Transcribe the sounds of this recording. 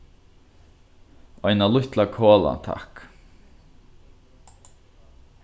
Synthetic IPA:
ɔjnalʊht̪lakʰoːla̰nt̪ʰa̰hk

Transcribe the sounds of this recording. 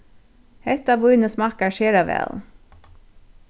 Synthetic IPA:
hɛt̪ɑʋʊʏnəsmɑkaʃeːɾaʋɛ̰ːl

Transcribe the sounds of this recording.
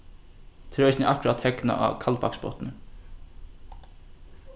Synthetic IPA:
t̪ʰɾœʏsnɛʔahkʊɾat̪hɛkna̰ʔa̰kʰalpakspɔ̰t̪nə

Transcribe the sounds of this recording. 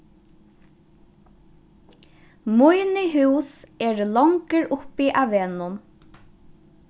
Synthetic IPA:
mʊjnɪɦʉwsɛːɹlɔŋkəɹʊpiʔaʋɛːnʊn

